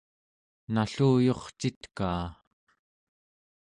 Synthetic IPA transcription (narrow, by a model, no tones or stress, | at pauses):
naɬuːjo̞χt͡ʃit̪kaː